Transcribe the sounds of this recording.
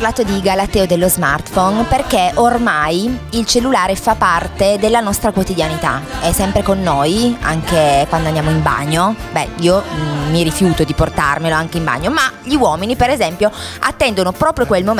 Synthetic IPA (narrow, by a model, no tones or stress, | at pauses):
rlaːt̪od̪iɡalat̪ːɛːod̪elːozmart̪fɔnperkeʔormajilt͡ʃelːulaːɾefapːart̪ed̪elːanɔst̪ɾakwot̪id̪janit̪a̰ɛsːɛmpɾekonːoja̰ŋkekwand̪oand̪jaːmoimba̰ɲːobɛ̰iːomːiɾifjuːt̪od̪iport̪a̰rmeloaŋkeimba̰ɲːomaʎiwɔːminipeɾezɛmpjoat̪ːɛnd̪onopɾɔːpɾjokwelmo